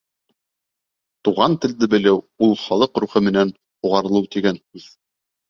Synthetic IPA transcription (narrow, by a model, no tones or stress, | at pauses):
t̪uʁɑnt̪ɘ̆ld̪ɘbɘ̆lɘw | ulˠχɑlˠɤqɾuχɘmɘ̆næn | huʁɑɾɤ̆lˠɤwt̪iɡæniθ